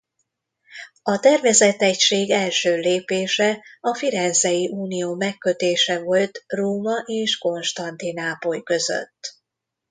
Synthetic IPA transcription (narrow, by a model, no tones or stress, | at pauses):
ɒt̪ɛrvɛzɛt̪ɛcʃeːɡɛlʃøːleːpeːʃɛɒfiɾɛnzɛjiʔuːnijoːmɛkːø̞t̪eːʃɛvo̞lt̪roːmɒʔeːʃko̞nʃt̪ɒnt̪inaːpojkø̞zø̰t̪ː